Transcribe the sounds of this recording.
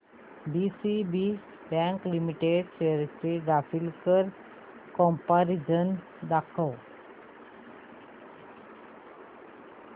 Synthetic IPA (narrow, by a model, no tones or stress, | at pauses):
bisibi | bãŋklimiʈeɖseɾt̪ɾiɡafilkəɾ | kɔmpaɾid͡ʑən | d̪akʰəw